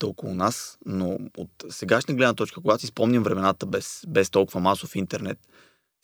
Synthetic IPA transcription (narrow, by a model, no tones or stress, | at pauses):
t̪ɔlˠkʊlˠʊnasnoot̪sɛɡaʃnəɡlɛd̪nət̪ɔt͡ʃkəkoʊɡat̪osispɔmnʲɐmvɾɛmɛnat̪əbɛsbɛst̪ɔlˠkʊvəmasʊfint̪ɛɾnɛt̪